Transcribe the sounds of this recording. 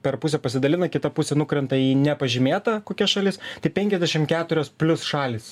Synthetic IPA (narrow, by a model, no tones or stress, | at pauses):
pʲɛɾpʊsʲɛpɐsʲɪd̪ɐlʲɪnɐkʲɪt̪ɐpʊsʲɛnʊkɾʲɛnt̪ɐiːnʲɛpɐʒʲɪmʲeːt̪ɐkoːkʲɛsʃɐlʲɪst̪ɐɪpʲɛŋʲkʲɛzʲd̪ʲæɛʃʲɪmkʲæːt̪ʊɾʲoːspʲlʲʊsʃɑːlʲɪs